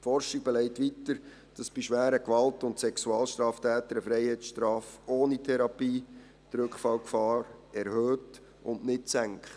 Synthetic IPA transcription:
fɔrʃɪɡ̚bɛlɛɪtʋitəɾ | d̥ɑsb̥iʃʋæːɾəkʋɑltʊntsɛksuɑːlʃtɾɑːftʰæːtəɾəfɾɛɪhɛɪt͡ssʃtɾɑːfoːnitʰɛɾɑpiː | d̥̪ɾʏkχfɑlkfɑːɾɛɾhøːt | ʊnnɪtsæŋkχt

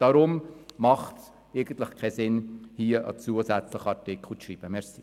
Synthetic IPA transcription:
d̥ɑɾʊmmɑχt | eɡən̩t̪ləχkʰɛsɪnhiːəʔə̰t͡suːəsæt͡sləχɑɾtɪkʰl̩ʃriːb̥əmɛɾsi̥

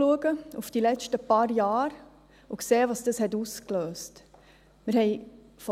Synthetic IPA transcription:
uəɡəufd̥ilɛt͡ʃtəpɑːɾjɑːɾ | ukseːʋɑsd̥ɑshɛtuskløːst | mɪɾhɛɪ | fɔ

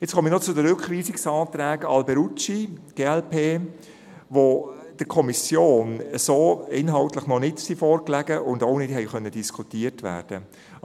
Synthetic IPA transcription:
jɛt͡sχɔminɔt͡sʊdəɾʏkχviːsɪksɑːt̪ɾæːɡɑlbɛɾut͡ʃiɡ̥eːɛlpeː | ʋo | d̥əkʰɔmisjoːnəsoːɪnɦɑltləχnɔnɪtsifɔːɾklæɡəʔʊndoʊnɪtɦɛɪχœnːədiskʰutiːəɾtʋæ̰ːɾd̥ə

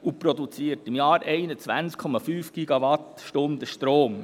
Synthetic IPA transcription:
upɾɔd̪ut͡siːəɾtɪmjɑːɾʔɛɪnət͡sʋænt͡skʰɔmɑfyːfɡ̥iɡɑʋɑt̪ʃtʊnd̪əʃtɾoːm

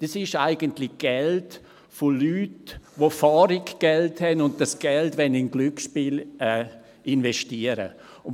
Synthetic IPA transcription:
d̥ɑsɪʃaɪɡəntlɪɡ̥ɛlt | folyːtvofɑːɾikɡ̥ɛlthɛnʊntd̥asɡ̥ɛltʋɛnɪnɡlykʃpiːlɛː | ʔɪnvɛʃtiəɾə̰

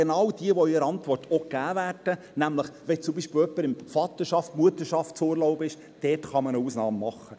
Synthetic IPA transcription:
enɑwd̥iəʋoiɾəɑntʋɔrtʰoɡæːvæːrd̥ə | næmləχʋɛt͡sʊmbiːʃpɪl̩œpːəɾɪmfɑːt̪əʃɑftmuətəʃɑftsoːɾloʊbəɪʃ | d̥ɛːtχɑmənəuːsnɑːmːɑχːə

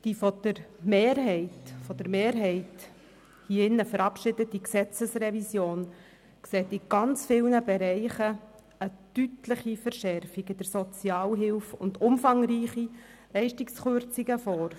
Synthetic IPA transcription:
d̥ifɔd̪̥əɾmeːɾɦɛɪtfɔd̥əɾmeːɾɦɛɪt | hiːɪnːəfəɾɑpʃɪdətiksɛt͡səsrɛvisjoːn | kseːtiɡ̥ɑnt͡sfɪlnəbɛɾɛɪχə | ətytlɪχifəɾʃɛɾfiɡəd̥əɾsɔt͡sjɑːlɦɪlfʊ̰ndʊmfɑŋriːχi | lɛɪʃtiksχøɾt͡siɡəfɔːɾ

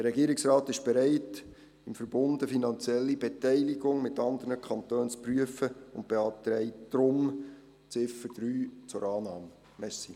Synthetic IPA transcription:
d̥əɾɛɡiəɾɪksrɑːt̪ɪʃb̥ɛɾɛɪt | ɪmfəɾbʊndəfinɑnt͡sjɛlːibɛt̪ɛɪliɡʊŋmɪtɑnd̪əɾnəkʰɑnt̪øːnt͡spryəfəʊnt̚b̥eɑt̪ɾɛɪtd̥ɾʊm | t͡sɪfəd̥ɾyːt͡sʊɾɑːnɑːm | mɛsi

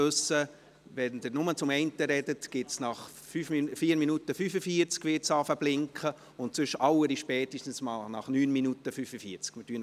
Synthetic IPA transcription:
øsə | ʋɛndəɾnʊmət͡sʊmɛɪntəɾɛdətɡ̥ɪtsnɑχ | fyːffiːəɾminutəfyːfəfiːəɾt͡skʋɪtsɑfəblɪŋkχə | ʊntsʏʃɑwəɾiʃpɛːtiʃtən̩smɑlnɑχnyːnminutəfyːfəfiəɾt͡skmɪtyən

